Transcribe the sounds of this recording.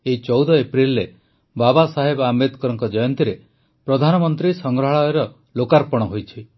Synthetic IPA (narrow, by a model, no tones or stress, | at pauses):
eit͡ʃɔwd̪ɔepɾilːe | babasaɦebamed̪kɔɾɔŋkɔd͡ʒɔjɔnt̪iɾe | pɾɔd̪ʱanɔmɔnt̪ɾisɔŋɡɾɔɦaɭɔeɾɔ | lokaɾpɔɽ̃ɔɦojt͡ʃʰi